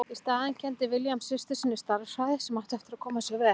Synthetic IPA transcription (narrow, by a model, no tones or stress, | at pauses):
ɪst̪aːðɪncʰɛnt̪ɪvɪljamsɪst̪ʏsɪnːɪst̪aɾsaðɪsɛmaht̪ɛft̪ɪɾaðkʰɔːmasjɛɣvɛː